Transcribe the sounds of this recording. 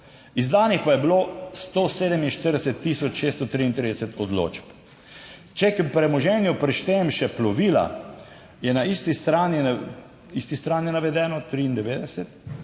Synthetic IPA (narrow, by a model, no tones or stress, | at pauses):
izd̪aːnixpajɛbilost̪oseːd̪ɛminʃt̪əɾd̪ɛsɛt̪ːiːsɔt͡ʃʃest̪t̪ɔt̪ɾiːint̪ɾeːd̪ɛsɛt̪ʰɔd̪lo̰ːt͡ʃp | t͡ʃɛkpɾɛmɔʒɛːnjupɾɛʃt̪ɛɛmʃɛplɔʋila̰ | jɛnaist̪ist̪ɾaːni | ist̪ist̪ɾaːnjinaʋɛd̪ɛːnɔt̪ɾiːnd̪ɛʋeːd̪ɛsɛt̪